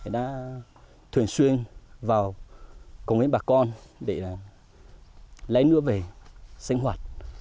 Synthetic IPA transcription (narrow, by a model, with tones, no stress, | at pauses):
ɗa̰ː˧˥ | t̪ʰwi˨˧˩ənswi˧ənvaː˨˩w | kə˨˩wŋwi˧˦nɓaː˨˩kɔ˧nɗe˧˩˨ | la̰˧˦jnɨ̰˧˥əve˨˩si˧ŋ̟ɦwaː˨˩t̚